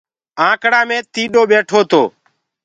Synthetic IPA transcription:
ãːkɽaːmẽːt̪iːɗoːɓeːʈʰoːt̪oː

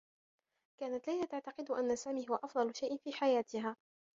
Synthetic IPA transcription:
kaːnat̪lajlat̪aʕt̪ɑqɪd̪ʊʔanːasaːmiːhʊwaʔɑfd̪ˤɑlʊʃajʔnfiːħajaːt̪ɪɦaː

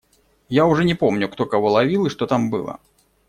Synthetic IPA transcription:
jauʐɛnʲɛpɔmnʲukt̪ɔkavɔlˠavʲilˠɨʂt̪ɔt̪ambɨ̰lˠɐ̰

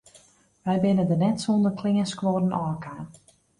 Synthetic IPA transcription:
ʋɛjbɪnəndənɛtsondəkʰlɪŋəskʋoːdənʔɔːkʰaːn

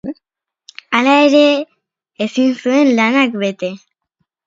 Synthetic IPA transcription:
alae̞ɾe̞ː | sinsue̞nlanakbe̞t̪e̞

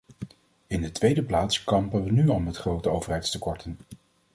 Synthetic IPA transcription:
ɪndətʋejdəplaːtskɑmpənʋənyɑlˠmɛtχrowtəowvəɹɦɛjtstəkɔɹtən

